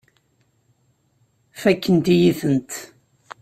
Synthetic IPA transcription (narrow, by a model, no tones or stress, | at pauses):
fækːənt̪ijiθənt̪